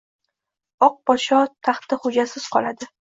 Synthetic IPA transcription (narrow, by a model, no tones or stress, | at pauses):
ɒq̚bɒʃɒt̪ʰaχt̪ɪχʊd͡ʒasɪz̥qʰɒlˠad̪ɪ